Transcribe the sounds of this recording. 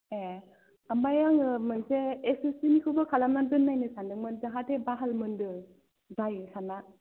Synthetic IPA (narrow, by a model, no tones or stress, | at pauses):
e | ambajaŋɯmɯnseːsisinikʰɯbɯkʰalamnandɯnːajnɯsandɯŋmɯnd͡ʒaɦatʰebaɦalmɯndɯ | bajsʰanːa